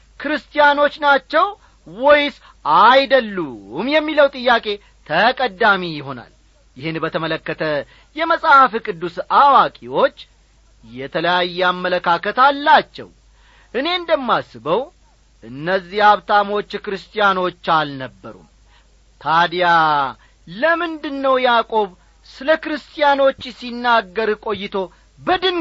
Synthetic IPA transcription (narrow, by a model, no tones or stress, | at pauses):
kʰɨɾɨst̪ʼijano̞t͡ʃːnat͡ʃːɛw | wɔjs | ajd̪əlːumjɛmːiləwt̪ʼɨjːakʼe̞ | t̪ʰəkʼəd̪amijɪɦo̞na̰l | jɪhɨnbət̪ʰəmələkːət̪ʰə | jɛməsʼafikʼɨd̪ːusawakʼiwo̞t͡ʃː | jɛt̪ʰələjajːɛamːələkʰakət̪alːat͡ʃːɛ̰w | ʔɨne̞nd̪əmːasɨbəw | ʔɨnːəzːihaβt̪ʰamo̞t͡ʃːkɾɨst̪ʼijano̞t͡ʃːalnəbːə̰ɾṵm | t̪ʰad̪ja | ləmɨnd̪ɨnːəwjakʼo̞β | sɨləkɾɨst̪ʼijano̞t͡ʃːsinːaɡːəɾkʼo̞jːɪt̪ʰo̞ | bəd̪ɨn